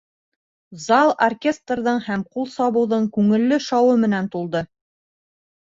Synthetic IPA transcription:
zɑlˠorkʲe̞st̪rðɤɴhæmqulˠsɑβɤ̆wðɤɴkʉŋɘ̆lːɘʃɑwɤmɘ̆nænt̪ulˠd̪ɤ

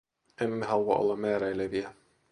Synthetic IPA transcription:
ʔemːeɦɑluɑ̰ʔo̰lːɑmmæːɾæileʋiæ

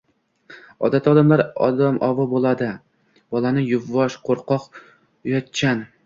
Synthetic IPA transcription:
ɒd̪at̪ʰɒd̪amlaɾɒ̰d̪amʔɒvɒbolˠad̪ɪ | b̥ɒlˠanɪjʊvːɒʃqʰoɾqʰɒq | ʊjɒt̪̚t͡ʃʰan

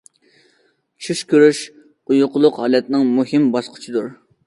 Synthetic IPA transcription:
t͡ʃʰyʃkʲʰøɾyʃ | ujʊqʰʊlˠʊqɦɑːlɛt̪nɪŋmuɦɪmbɑsqʰə̥t͡ʃʰid̪uɾ

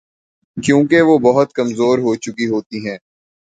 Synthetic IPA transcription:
kjõːkeʋoːbɐɦʊt̪̚kɐmzoːɾɦot͡ʃʊkiɦoːt̪iɦɛ̃ː

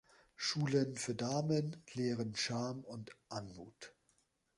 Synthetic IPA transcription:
ʃuːlənfyːɐdaːmənleːʁənʃaːmʊntʔanmṵːt

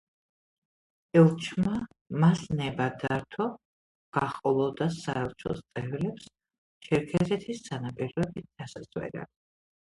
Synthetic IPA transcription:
ɛlˠt͡ʃʰma | masnɛbad̪aɾt̪ʰɔ | ɡ̥aχqʼɔlˠɔd̪asaɛlˠt͡ʃʰɔ̰st̪sʼɛvlɛps | t͡ʃʰɛɾkʰɛɾɛt̪ʰissʰanapʼiɾɔɛbit̪̚d̪̥asazwɛ̰ɾa̰

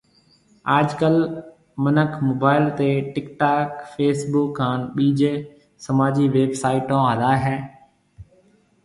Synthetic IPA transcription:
aːd͡ʒkəl | mənəkʰmoːbaːɪlt̪eːʈɪkʈaːkfʰeːsbʊːkːãːnɓiːd͡ʒ | səmaːd͡ʒiːʋeːbsaːɪʈõːɦəlaːɦɛː

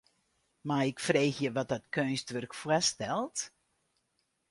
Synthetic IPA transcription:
maɪkfreːxjəʋɔt̚dɔtkʰøːnstʋɵrkfwɛstɛlˠt

